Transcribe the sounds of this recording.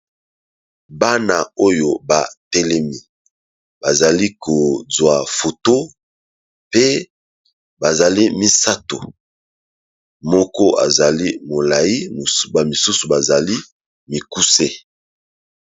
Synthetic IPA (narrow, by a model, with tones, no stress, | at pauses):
ba˦na˨o˦jo˨ba̰˨tɛ˦lɛ˦mi˦ | ba˨za˨li˦kʰo˨zwa˨fo˨to˦ | pe˦ | ba˨za˨li˦mi˦sa˦to˨ | mɔ˦kɔ˦a̰˨za˨li˦mo˨la˨ji˦˨ba˨mi˨su˦su˨ba˨za˨li˦ | mi˨ku˦se˦